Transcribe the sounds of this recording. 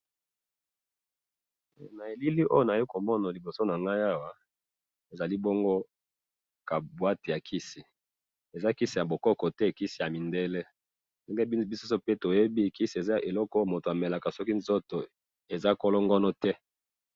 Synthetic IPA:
na˨e˨li˦li˦ʔo˦jo˨na˨je˦ko˨mɔ˦na˨li˨bo˨so˦na˨ŋɡa˦ja˦wa˦ | e˨za˨li˦bo˦ŋɡo˦ | ka˨bwa˦te˨ja˨kʰi˦si˨ | e˨za˦ki˦si˨ja˨bo˨kɔ˦kɔ˨tɛ˦˨ki˦si˨ja˨mi˨nde˦lɛ˦ | nde˦ŋɡe˦bi˦so˦so˦pe˦to˨je˦bi˦˨ki˦si˨e˨za˦a˨ʔe˨lɔ˦kɔ˦mo˨to˨a˨me˨la˨ka˨sɔ˦ki˦nzo˦to˨ | e˨za˦kɔ˦lɔ˦ŋɡɔ˦nɔ˦tɛ˦

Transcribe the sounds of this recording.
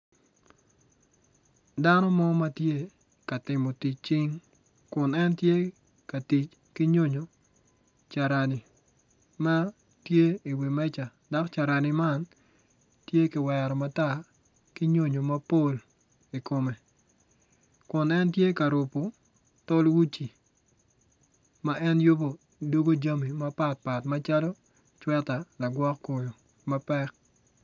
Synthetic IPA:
da˦nɔ˦mɔ˦ma˦tje˦ | ka˨tɪ˨mo˨ti˨t͡ʃ̚t͡ʃi˦ŋ | kʊ˨nɛ˦ntje˦ | ka˨ti˨t͡ʃ | ki˦ɲo˦ɲo˨ | t͡ʃa˨ɾa˨ni˨ | ma˦ | tje˦i˨wi˨mɛ˦t͡ʃa˨ | da˦kt͡ʃa˨ɾa˨ni˨ma˦n | tje˦kɪ˨wɛɾɔ˨ma˦ta˦ | ki˦ɲo˦ɲo˨ma˦po˦l | i˨ko˨me˨ | kʊ˨nɛ˦ntje˦ka˨ɾʊ˨pːo˨ | to˦lwu˦t͡ʃi˨ | ma˦ʔɛ˦njo˦bo˨ | do˦ɡo˦d͡ʒa˦mi˨ma˦pa˦t̚pa˨tma˦t͡ʃa˦lɔ˦ | t͡ʃwɛ˦ta˨la˨ɡwɔ˦kko˨jo˨ | mapɛ˦k̚

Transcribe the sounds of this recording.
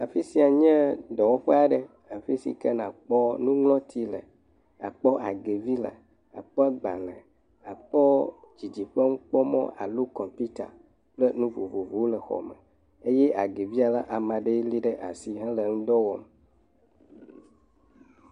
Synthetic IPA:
a˨fi˦si˦a˨ɲɛ̃˦dɔ˨wɔ˦ɸe˦a˨ɖe˦ | a˨fi˦sḭ˨kɛ˦nã˨k͡pɔ˦nũ˦ŋlɔ̃˦t̪ʰi˦lɛ̰˨ | a̰˨k͡pɔ˦ʔa˨ɡe˨vi˦lḛ˨ | a̰˨k͡pɛ˦ɡ͡ba̰˨lɛ̃˨ | a˨k͡pɔ˦d͡ʒi˨d͡ʒi˨ɸe˦ŋ̩˦k͡pɔ˦mɔ̰̃˦ʔa̰˨lu˦kɔ̃˨mpi˦t̪a̰˨ | k͡ple˦nũ˦vo˨vo˨vu˨˦wle˨xɔ̰˨mḛ˨ | e˦jɛ˦ʔa˨ɡe˨vi˦a˨la˦ʔa˨mã˨ɖe˦i˦li˦ɖe˦ʔa˨si˦ɦã˦le˨ŋũ˦d̪ɔ˦wɔ˨m

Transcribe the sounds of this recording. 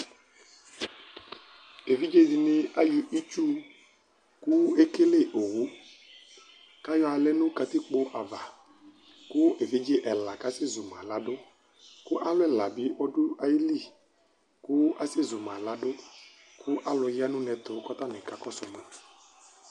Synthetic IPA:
e˨vi˦d͡ʒe˦dɪ˨nɪ˨˦a˦ji˨ʔi˦t͡ʃu˦ | kʊ˦e˦ke˦le˦ʔo˨ɣu˨˦ | ka˦jɔ˦a˨˧lɛ˦nʊ̃˦ka˧t̪ɪ˦k͡pʊ˦ʔa˨va˨ | kʊ˦ʔe˨vi˦d͡ʒe˦ʔɛ˨la˨ka˦sɪ˦zʊ˨mã˨la˨dʊ˦ | kʊ˦ʔa˦lʊ˦ɛ˦˨la˨bɪ˨˦ʔɔ˦dʊ˦a˨ji˦li˦˨ | kʊ˦a˦se˦˨zʊ˨mã˨la˨˦dʊ˦ | kʰʊ˦ʔa˦lʊ˨˧jɪ˦a˦nʊ̃˦nɛ˨t̪ʊ˨˦kɔ˦t̪ɔ˦nɛ˨ka˨kɔ˦sʊ˨ma˨

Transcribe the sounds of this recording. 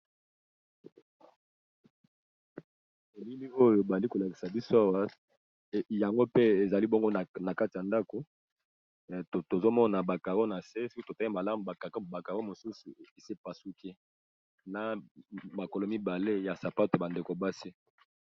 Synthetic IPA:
e˨li˦mi˦o˦jo˨ba˨li˦ko˨la˨ki̥˨sa˨bi˦so˦a˦wa˦˨ | ja˨ŋɡo˦pe˦e˨za˨li˦bo˦ŋɡo˦˨na˨ka˦ti˨ja˨nda˦ko˨ | to˨zo˦mɔ˦na˨ba˨ka˨ɣo˦na˨se˦so˦ki˦to˨ta˦i˦ma˨la˦mu˨ba˨ka˨ka˦˨ba˨ka˨ɣo˦mo˨su˦su˨e˨se˦pa˨su˦kʰe˦ | na˨ma˨ko˨lo˨mi˦ba˨le˦ja˨sa˨pa˦tba˨nde˨ko˨ba˦si˦

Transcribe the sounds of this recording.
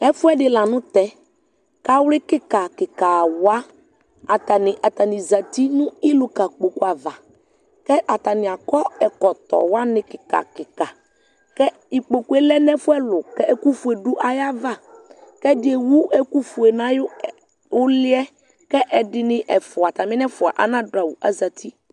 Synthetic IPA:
ɛ˦fʊ˦ɛ˦ɖɪ˨la˨nʊ̃˦t̪ɛ˦ | ka˦wlɪ˦kɪ˦ka˨kɪ˨ka˨wʊ˨˦a˦ | a˨t̪a˨nɪ̃˨ʔa˨t̪a˨nɪ̃˨za˨t̪i˦nʊ̃˦i˦lʊ˦ka˨k͡po˨ku˦a˨va˨ | kɛ˦ʔa˨t̪a˨nɪ̃˨a˨kɔ˦ɛ˨kɔ˨t̪ɔ̰˨wa˦nɪ̃˨kɪ˨ka̰˨kɪ˨ka˨ | kɛ˦ | i˨k͡po˨ku˨˦e˦lɛ˦nɛ̃˦fʊ˦ɛ˦lʊ˨kɛ˦ʔɛ˦ku˦fu˨e˨ɖʊ˦ʔa˦ja˦va˦kɛ˦dɪ˨ɛ˨wu˦ɛ˦ku˦fu˨e˨nã˦jʊ˦ | wʊ˦lɪ˦ɛ˦ | kɛ˦ʔɛ˨dɪ˨nɪ̃˦ʔɛ˨fʊ˨a˨t̪a˨mɪ̃˦nɛ˦fʊ˨a̰˨ʔa̰˨nã˦dʊ˨a˨wu˨ʔa̰˦za˨t̪ʰi˦

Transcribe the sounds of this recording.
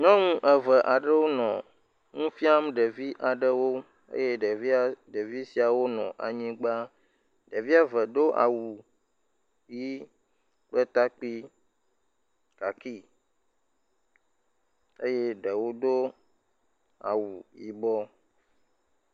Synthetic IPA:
ɲɔ̃˦ŋũ˦ʔə˨və˨ʔa˨ɖə˦wo˦nɔ̃˨ | ŋũ˦fi˦a˦m˦ɖə˨vi˦ʔa˨ɖə˦wo˦ | ḛ˦je˦ɖe˨vi˦a˦ɖe˨vi˦si˨a˨wo˦nɔ̰̃˨ʔa̰˨ɲĩ˦ɡ͡ba˦ | ɖə˨vi˦a˨və˨d̪o˦ʔa̰˨wu˨ | ji˦ | k͡pə˦t̪a˦k͡pi˦ | ka˨ki˦ | e˦je˦ɖə˨wo˦d̪o˦ | a̰˨wu˨ji˦bɔ˦

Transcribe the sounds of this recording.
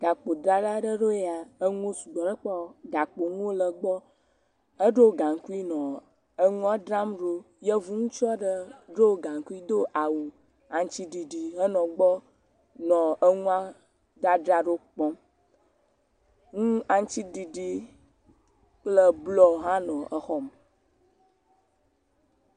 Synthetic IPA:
ɡ̥a˨k͡po˨ɖɾa˦ɖa˦ɖə˦ɖo˦e˦˨a˨ə˦ŋũ˦o˦su˨ɡ͡bɔ˨ɖə˦k͡pɔ˦ɡa˨k͡po˨ŋũ˦o˦lə˨ɡ͡bɔ˦ | ə˦ɖo˦wo˨ɡã˨ŋ˨ku˦i˦nɔ̃˨ | ə˦ŋũ˦a˦ɖɾa˦mɖo˦ | jə˦vu˦ŋũ˦t͡ʃɔ˦ɖə˦ɖo˦o˨ɡã˨ŋ˨ku˦i˦d̪o˦ʔa˨wu˨ | a˨ŋ˦t͡ʃi˦ɖi˨ɖi˨ɦə˦nɔ̃˨ɡ͡bɔ˦ | nɔ̃˨ə˦ŋũ˦a˦ | d̪a˦ɖɾa˦ɖo˦k͡pɔ̃˦m | ŋũ˦a˨ŋ˦t͡ʃi˦ɖi˨ɖi˦ | k͡plə˦blɔ˦ɦã˦nɔ̃˨ʔə˨xɔ˦m

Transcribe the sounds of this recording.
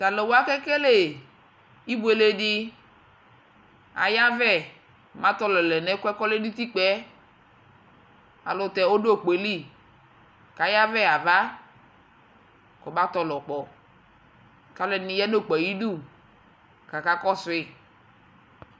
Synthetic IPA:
ta˨le˨wo˦a˦kɛ˦ke˦le˨ | i˦bu˦e˨le˦di˦ | a̰˨ja˦vɛ˦˨ | mã˦t̪ɔ˦lɔ˨lɛ˨nɛ˦kʷɛ˦kɔ˦le˦du˦t̪i˦k͡pɛ˨˦ | a̰˨lɔ˨t̪ɛ˨o˦do˦˨k͡pe˨li˦˨ | ka˨ja˦vɛ˦a˨va˦ | kɔ˨ba˦t̪ɔ˨lɔ˨k͡pɔ˨ | ta˦lɛ˨ni˨jɛ˦no˦˨k͡pɛ˨ji˦du˦˨ | ka˨ka˦kɔ˦sʊ˨ɪ˦

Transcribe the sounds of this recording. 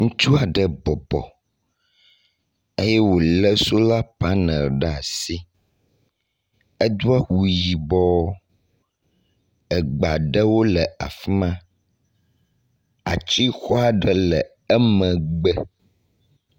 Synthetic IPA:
ŋũ˦t͡ʃu˦a˨ɖə˨bɔ˨bɔ̰˨ | e˦jɛ˦wo˨lə˦so˦la˦pa˦nə̃˨lɖɛ˦˨a̰˨si˦ | ə˦d̪u˦a˦wu˨ji˨bɔ˦ | ə˨ɡ͡ba˨ɖə˦wo˦lə˨a̰˨fi˦mã˦ | a̰˨t͡ɕi˦xɔ˦a˨ɖə˨lɛ˨ | ɛ˦mə̃˨ɡ͡bɛ˦

